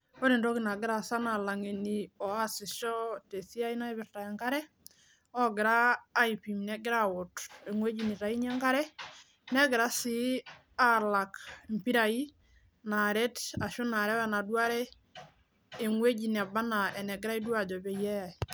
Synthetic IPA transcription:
o˦ɾi˨ndo˦ki˨na˨ɡɪ˦ɾa˨sa˦na˨la˨ŋe˨ni˨ɔ˨a˦sɪ˨ʃɔ˦te˨si˦a˦i˦na˦i˦βɪ˨ɾta˨ɛ˨ŋka˦ɾɛ˦ | ɔ˦ɡɪɾaː˦ipi˨mnɛ˨ɡɪ˦ɾawʊ˨te˨ŋwe˦d͡ʒi˨ni˨ta˨i˦ɲɛ˦ŋka˦ɾɛ˦ | nɛ˦ɡɪ˨ɾa˦si˦ | a˦la˨kmpi˦ɾa˨i˦ | na˨ɾɛ˦ta˨ʃu˦na˨ɾɛ˦wa˦na˨dwa˦ɾɛ˦ | e˨ŋwe˦d͡ʒi˨na˨ba˦na˨ɛ˨nɛ˨ɡɪɾa˦i˦dwa˨d͡ʒɔ˨bɛ˨jɛ˦˨

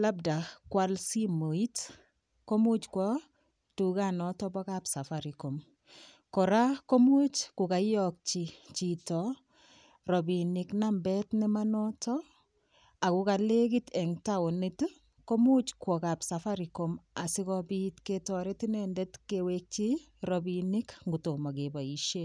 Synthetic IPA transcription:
la˦b̚da˨kwalsi˦mo˨i˦t | ko˦mu˦t͡ʃkwɔ˦ | tu˨ka˦nɔ˨tɔ˦bɔ˦ka˨psa˨faɾi˨ko˨m | kɔ˨ɾa˦ko˦mu˦t͡ʃkʊ˨ka˨jjɔk̚t͡ʃi˨t͡ʃi˨tɔ˨ | ɾɔ˨bi˨nɪ˨knambɛtnɛ˦ma˦nɔ˦tɔ | a˨ku˨ka˨le˦ki˦tɛ˨ŋta˦o˨ni˦tu | ko˦mu˦t͡ʃkwɔ˨ka˨psa˨fa˦ɾi˨koma˨sɪ˦kɔbitketɔ˨ɾe˦ti˦nɛndɛ˦tkewek̚t͡ʃi˦ɾɔ˨bini˦kŋɡu˨to˨ma˨ke˨ba˨i˨ʃe˦

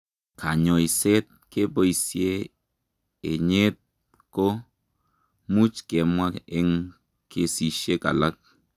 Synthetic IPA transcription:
ka˨ɲo˨i˨se˦t̪̚ke˦bo˦i˨sje˦ | e˨ɲe˦t̪̚ | ko˦ | mu˦t͡ʃke˨mwa˦ke˦ŋ | ke˦si˨ʃe˦ka̰˨la˦k̚

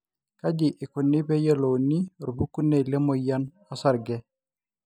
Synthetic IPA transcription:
ka˦d͡ʒɪ˨ʔɪ˨kʊ˨nːɪ˦bɛ˦jə˦lo˨ni˦ɾu˨bu˦ku˦nːe˦˨le˦mo˨ja˦n | a˦sa˨ɾɡɛ˦

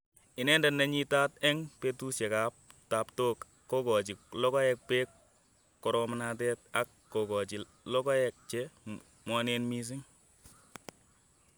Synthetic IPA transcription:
ɪ˨nɛː˦nda˨na˨ɲi˦taː˦tɛ˦ŋpetu˦sɛ˨ka˨˦p̚ta˨ptoː˦k | kːo˦kɔ˨t͡ʃi˨lɔ˦kɔ˦jɛ˦k̚pɛː˦kː | ɔ˨ɾɔmana˦t̬ɛ˦t̚a˦kːɔ˨kɔ˨t͡ʃi˨ | lɔ˦kɔ˦jɛ˨k̚t͡ʃɛ | mwa˦ne˦nmi˦s̬i˦ŋ

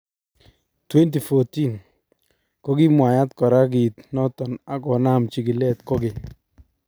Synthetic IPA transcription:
twɛ˦nt̬i˨fo˨ti˦˨n | ko˦ɡi˦mwa˨ja˦tkɔ˨ɾa˦ɡ̬i˨tnɔ˦tɔ˨na˨kɔ˨na˦˨mt͡ʃi˨ɡi˨lɛ˦tko˦ɡɪ˨

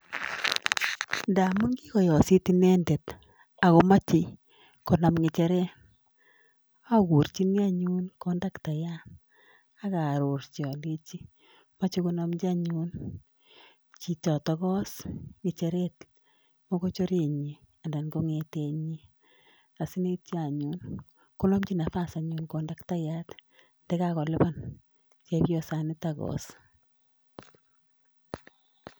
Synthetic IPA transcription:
nda˨mʊ˦nɡi˦kɔ˨jɔ˨si˦ti˦nɛ˦nde˨t | a˨ɣo˦ma˦t͡ʃɪ˨ | ko˨na˨mŋɪ˨t͡ʃe˨ɾɛ˦n | a˦ɣu˨ɾt͡ʃi˦ni˦a˦ɲu˦nko˦nda˦kta˨ja˦n | a˦ka˨ɾo˨ɾt͡ʃɔ˨le˦t͡ʃi˦ | ma˦t͡ʃi˦ko˦na˦md͡ʒa˦ɲu˦n | t͡ʃi˨tɔ˨tɔ˦ɣɔ˦sŋɪ˨t͡ʃɛ˨ɾe˦t | mo˦ko˦t͡ʃo˦ɾe˨ɲi˨ | a˨nda˨nɡo˦ŋe˨te˦ɲi˦ | a˨sɪ˦ne˦ti˦a˨ɲun | kʊ˦nɔ˦mt͡ʃi˦na˨fa˦sa˨ɲʊ˨nko˨nda˦kta˦ja˦t | ndɛ˦kakɔ˨lɪ˦bɔ˦n | t͡ʃɛ˦bjɔ˦sa˨nɪ˦taɡɔ̰s

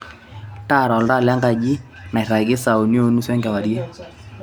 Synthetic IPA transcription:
ta˦˨ɾa˨lda˦˨la˦ŋɡa˦˨d͡ʒi˦ | na˨ɪ˨ɾa˨ɡɪ˦sa˨o˨njo˦nu˦swɛ˦ŋɡɛ˨wa˨ɾje˦

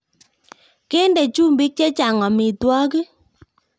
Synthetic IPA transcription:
ke˦nde˨t͡ʃu˦mbɪ˦k̚t͡ʃɛ˦t͡ʃa˨ŋɔ˨mɪ˨twɔ˦kɪ˦

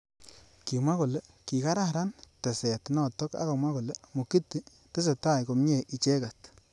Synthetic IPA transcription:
ki˨mwa˦ko˨le˦ki˨ka˦ɾa˦ɾa˦nte˨se˨tnɔ˨tɔ˦ka̰˦ko˨mʷwa˦ko˨le˦mo˨ki˦ti˦ | te˦s̬e˨ta˦˨jko˨mɲe˦˨ʔi˨t͡ʃe˦ka˨t

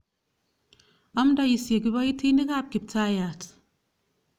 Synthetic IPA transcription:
a˦mda˦˨ji˨sje˨ɡi˨˦ba˦ji˦tʰi˦ni˦ka˦˨p̚ki˨p̚ta˦ja˨t

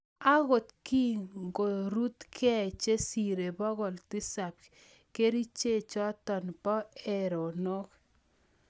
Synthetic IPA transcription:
a˦ɣo˨tki˦ŋɡo˨ɾu˦tkʰɛ˦t͡ʃe˦si˨ɾe˨bɔ˦ɣɔ˨lti˦sa˨p̚ | ke˦ɾi˦t͡ʃe˦˨t͡ʃɔ˦tɔ˨npɔ˦e˨ɾo˨no˦k

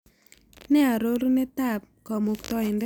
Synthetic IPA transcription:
nɛ˦a˨ɾo˦ɾne˦ta˦˨p̚kɔ˨mʊ˨k̚tɔ˦ɪ˨nd

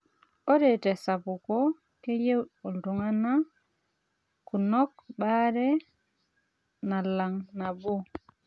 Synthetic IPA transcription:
o˦ɾɛtɛ˨sa˨pu˨kɔ | ke˦je˦wɗo˨ldu˨ŋana˦ | ku˨nɔ˦k̚ɓa˦ɾɛ˦ | na˨la˨ŋna˨bo˦

